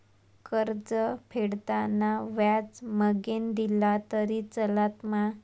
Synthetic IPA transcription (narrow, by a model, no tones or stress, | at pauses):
kəɾd͡zəpʰeɽt̪anaʋjat͡sməɡend̪ilat̪əɾit͡səlat̪ma